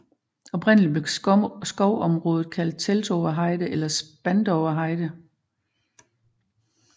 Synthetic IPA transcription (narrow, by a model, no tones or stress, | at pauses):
ɒ̽b̥ʁɛn̰əlib̥le̝̥sɡ̥ɒʊ̰ɒ̽mʁɔ̽ːð̞ð̩ˠkʰæl̰d̥̚t͡sʰelsɒʊɐɦɑ̈ɪd̥əʔelɐsb̥ænd̥ɒʊɐɦɑ̈ɪd̥ə